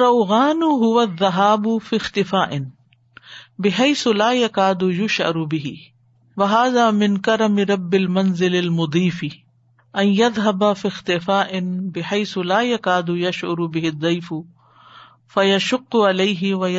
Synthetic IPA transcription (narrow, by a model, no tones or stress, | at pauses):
ɐwɣaːnʊɦʊwɐðːɐɦaːbʊfixt̪ɪfaːʔɪn | bɪɦajsʊlaːjɐkaːd̪ʊjʊʃʕɐ̰ɾʊbɪɦɪ | wɐɦaːðaːmɪnkɐɾɐmɪɾˤɐbːɪlmɐnzɪlɪlmʊd̪ˤiːfi | ʔɐnjɐðɦɐbafixt̪ɪfaːʔɪnbɪħajsʊlaːjakaːd̪ʊjɐʃʕʊ̰ɾʊbɪɦɪd̪ˤːijfʊ | fɐjɐʃʊqːʊʕalaːɦɪwɐj